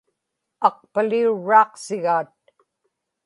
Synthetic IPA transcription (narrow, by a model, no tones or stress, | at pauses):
ɑq̚paliuɻːɑːqsɪɣaːt̪̚